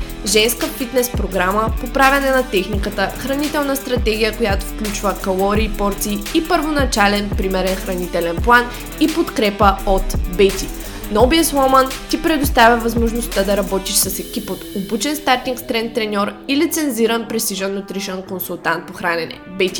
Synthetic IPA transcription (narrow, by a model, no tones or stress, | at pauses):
ʒɛnskəfit̪nɛspɾoɡɾaməpopɾavʲɛnɛnɐt̪ɛxnikət̪əxɾɐnit̪ɛlˠnəst̪ɾɐt̪ɛɡ̟ʲijəkojat̪ofklʲut͡ʃvəkɐlˠɔɾiːpɔɾt̪siːipəɾvonɐt͡ʃalɛnpɾimɛɾɛnxɾɐnit̪ɛlɛnplˠan | ipot̪kɾɛpəot̪bɛt̪ʲi | nɔbiəslˠɔmənt̪ipɾɛd̪ost̪avʲjɐvɐzmoʒnost̪əd̪ɐɾɐbɔt̪iʃsɐsɛkʲipot̪obut͡ʃɛnst̪aɾt̪iŋkst̪ɾɛnt̪ːɾɛnʲɔɾilit̪sɛnziɾənpɾɛst̪iʒənːot̪ɾiʃɛnkonsulˠt̪ant̪̚poxɾanɛnɛ̰bɛt̪i̥